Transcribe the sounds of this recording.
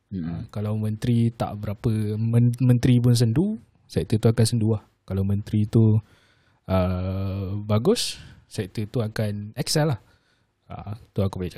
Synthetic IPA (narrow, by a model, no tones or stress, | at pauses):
əmkalawmə̃nt̪ɾit̪a̰ʔbəɾapəməmə̃nt̪ɾip̬ʊns̬əndu | sɛk̚t̪ət̪uakansənduah | kalawmə̃nt̪ɾit̪u | ə | baɡʊssɛk̚t̪ət̪uakanɛksɛlah | a̰t̪uakubajat͡ʃ